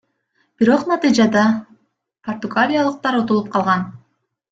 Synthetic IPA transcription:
b̥iɾo̞qnɑt̪ɨjd͡ʒɑd̪ɑ | pʰort̪uɡalʲijalˠɯq̚t̪ɑɾot̪olˠup̚qʰɑlˠʁɑn

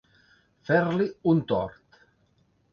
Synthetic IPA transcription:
fɛɾliunt̪ɔ̰ɾt̪

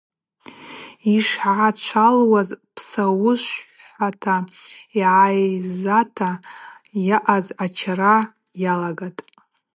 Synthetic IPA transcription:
iʂʕat͡ʃʷʰalwazpʰsawʊʃʷ | atʰaiʕajzatʰa | jaʔazat͡ʃʰara | jalaɡatʼ

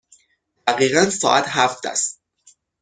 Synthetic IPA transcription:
d̪̥æɣiːɣænsɒ̰ːʔæt̪ɦæft̪ʰæ̰st̪̚

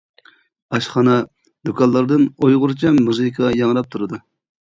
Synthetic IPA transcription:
ɑʃχɑnɑ | d̪okʰɑlˠːɑɾd̪ɨnojʁʊɾt͡ʃʰɛmmuzɨkʰɑjɑŋɾɑp̚t̪ʰuɾɨd̪u

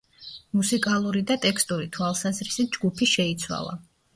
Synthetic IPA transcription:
musikʼalˠuɾid̪at̪ʼɛkst̪ʼuɾit̪ʰwalˠsazɾisit̪̚d͡ʒɡupʰiʃɛit̪sʰwa̰lˠa̰

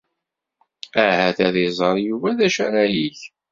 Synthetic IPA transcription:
æhæθæðizˤɑɾˤjuvæðæʃæɾæjiç

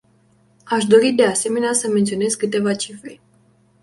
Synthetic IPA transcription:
aʃd̪o̞ɾid̪e̞ase̞me̞neasəme̞nt̪sio̞ne̞zkɨt̪e̞vat͡ʃifɾe̞

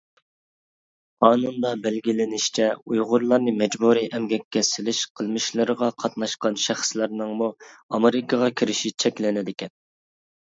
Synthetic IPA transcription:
qʰɑːnund̪ɑbɛlɡʲilɪnɪʃt͡ʃʰɛujʁʊɾlˠɑɾnɨmɛd͡ʒbuɾiʔɛmɡʲɛkʲːɛsɪlɪʃqʰəlˠmɨʃlˠɨɾəʁɑqʰɑt̪nɑʃqɑnʃæχslæɾnɨŋmuɑmeɾɪkɑʁɑkʲʰiɾɪʃit͡ʃʰɛkʲlɪnɪd̪ɪkʲʰɛn

